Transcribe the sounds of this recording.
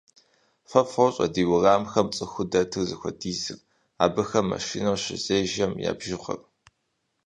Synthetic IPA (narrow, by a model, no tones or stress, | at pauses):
fɐfɐwɕʼɐ̰diːwʊraːmxɐmt͡sʼɨxʷʊdɐtʰɨzɨxʷɐdiːzɨr | a̰ːbɐxɐmːɐ̰ʃḭːnɐwɕɪzeːʒɐmja̰ːbʒɪχʷɐ̰rʼ